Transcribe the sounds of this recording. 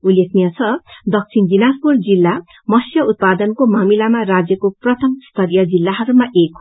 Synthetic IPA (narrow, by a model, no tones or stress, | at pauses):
ulːekʰnijʌt͡sʰʌd̪ʌk̚t͡sʰindinaspurd͡zilːa | mʌsjʌut̪̚pad̪ʌnkomamilamarad͡zjʌkoprʌt̪ʰʌmst̪ʰʌɾijʌd͡zilːaɦʌɾumaʔek